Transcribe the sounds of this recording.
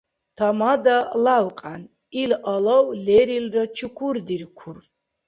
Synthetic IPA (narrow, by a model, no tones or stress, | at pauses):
t̪ʰamad̪alawqʼan | ilalɔwlɛɾilrɔt͡ʃʰukʰuɾd̪iɾkʰur